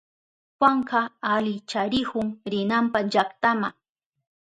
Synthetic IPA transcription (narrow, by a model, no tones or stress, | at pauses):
xwaɴɢɑalɪt͡ʃaɾɪhʊŋɾɪnampaʒakt̪amaŋ